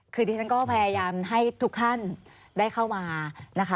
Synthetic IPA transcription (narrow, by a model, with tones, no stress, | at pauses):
kʰɯː˧t̪i˧t͡ɕʰa˥nkɔː˥˩pʰaː˧jaː˧jaː˧mɦa˥˩jt̪ʰu˦˥k̚t̪ʰa˥˩n | daː˥˩jkʰa˥˩wmaː˧na˦˥kʰa˦˥